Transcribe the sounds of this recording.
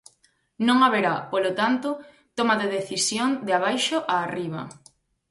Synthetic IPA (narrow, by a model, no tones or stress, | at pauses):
nõŋaβeɾapolot̪ant̪ʊ | t̪omaðeðeθisjoŋd̪ɪaβajʃoʔaːriβ̞ɐ̰